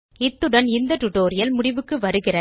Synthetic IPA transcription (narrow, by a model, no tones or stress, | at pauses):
ɪt̪ːɯɽɐnɪnd̪ɐʈʊʈːoːɾɪjɐlmʊɽɪʋɯkːɯʋɐɾɯɣɪrɐ